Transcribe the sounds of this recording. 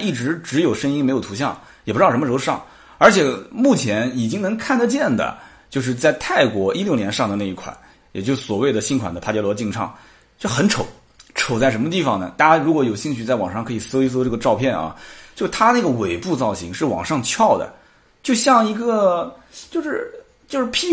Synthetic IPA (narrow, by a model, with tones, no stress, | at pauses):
i˥˩ʈ͡ʂɻ̩˧˥ʈ͡ʂɻ̩˧˥jo˨˩ʊʂə˥ŋi˥ŋme˧˥jo˨˩ʊt̪ʰɕ̬jɑ̰˥˩ŋ | jɛ˨˩pu˧˥˩ʂm˧ʂ̩˧˥˧ʂɑ̰˥˩ŋ | ə˞˧˥t͡ɕʰjɛ˨˩mu˥˩t͡ɕʰjɛ˧˥ni˨˩t͡ɕi˥ŋnɤ˧˥ŋkʰa˥˩nd̪ə˧t͡ɕjɛ˥˩nd̪ə̰˩ | t͡ɕjo˥˧ʊʂ̬ɻ̩˥˧t͡sa˥˧ɪt̪ʰa˥˩ɪkwɔ˧˥ʔi˥ljo˥˩ʊnjɛ˧˥nʂɑ˥˩ŋd̪ə˩na˥˧i˥˩kʰwa̰˨˩˦n | jɛ̰˨˩t͡ɕjo˥˧ʊʂɻ̩˥˩swɔ˨˩we˥˩ɪd̪ə˩ɕi˥nkʰwa̰˨˩nd̪ə˦pʰa˥t͡ɕjɛ˥lwɔ˧˥t͡ɕi˥˧ŋʈ͡ʂʰɑ̰˥˩ŋ | t͡ɕo˥˧˩xə˧˥nʈ͡ʂʰo˨˧˦ʊ | ʈ͡ʂʰo˨˩ʊt͡sa˥˩ɪʂ̬ə˧˥nmə˧t̪̬i˥˩fɑ˨˩ŋnə˩t̪a˥˧˩t͡ɕja˥˩ɻu˧˥kwɔ˧˥jo˨˩ʊɕi˥˧ŋɕy˥˧t͡sa˥˩wɑ˨˩ŋʂɑ˥˩ŋkʰɤ˧˥i˨˩se˥s̬ʈ͡ʂɤ˥˩ɡə˧ʈ͡ʂɑ˥˧ʊpʰjɛ˥˩nɐ̰˩t͡ɕjo˥˧ʊ˧t̪ʰa˥na˥˩ɡə˩we˨˩ɪpu˥˧t͡sɑ˥˩ʊɕi˧˥ŋʂɻ̩˥˩wɑ̰˨˩ŋʂɑ˥˧ŋt͡ɕʰjɑ˥˩ʊd̪ə̰˩ | t͡ɕjo˥˧ʊɕjɑ˥˩ŋi˧˥ɡə˥˧t͡ɕjo˥˧ʊʂɻ̩˥˧ | t͡ɕjo˥˧ʂɻ̩˥˧pʰi˥